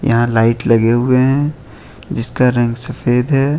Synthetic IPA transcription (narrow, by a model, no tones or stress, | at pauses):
jɐ̰ɦãlaːɪʈlɐɡeɦʊeɦɛ̃ | d͡ʒɪskaɾɐ̃ŋɡsɐfeːd̪ɦɛː